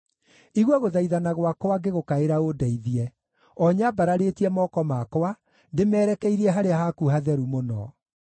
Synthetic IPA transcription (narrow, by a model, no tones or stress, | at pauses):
iɣwɔɣoðaiðanaɣwakɔaɡeɣokaeɾaodɛiðiɛ | ɔɲabaɾaɾetiɛmɔkɔmakɔa | ndemɛːɾɛkɛiɾiɛɦaɾeaɦakuɦaðɛɾumonɔ̰